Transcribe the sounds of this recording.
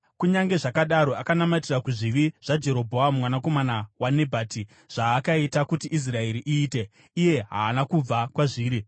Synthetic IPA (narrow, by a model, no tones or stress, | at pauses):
kuɲaŋɡe̞ʐakaɗaɾo̞akanamatirakuʐiʋiʐ̥ad͡ʒe̞ɾo̞bʱoammwanako̞manawane̞bʱaːti | ʐ̥aːkaitakutiʔis̬rae̞ɾiʔiːte̞ | ije̞ɦa̰ːnakub͡vakwaʐiːɾi